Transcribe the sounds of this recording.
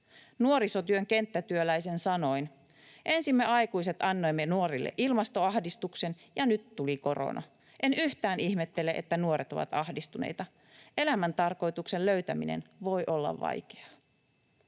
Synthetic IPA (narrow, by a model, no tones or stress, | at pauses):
nuoɾiso̞t̪yøŋke̞nt̪ːæt̪yølæjse̞nsɑno̞in | ʔe̞nsimːeɑjkujse̞t̪ɑnːo̞jmːenuoɾilːḛʔilmɑst̪o̞ɑhdist̪ukse̞n | jɑnyt̪ːuliko̞ro̰nɑ̰ | ʔe̞nyht̪æːniçhmet̪ːe̞leʔḛt̪ːænuo̞ɾet̪o̞̰ʋɑ̰t̪ɑhdist̪unḛjt̪ɑ | ʔe̞læmænt̪ɑrko̞jt̪ukse̞lløɥt̪æmḭnḛnʋo̞jʔo̞lːɑ̰ʋʋːɑ̰jke̥ɑ